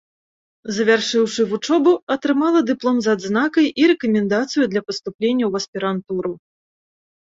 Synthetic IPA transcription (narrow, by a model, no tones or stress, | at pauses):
zɐvʲarʂɨwʂɨvut͡ʂɔbuɐt̪ɾɨmalˠɐd̪ɨplˠɔmzad̪znakɐjiɾɛkɐmʲɛnd̪at̪sɨjud̪lʲɐpɐst̪uplʲenʲːɐwɐsʲpʲiɾant̪uɾɨ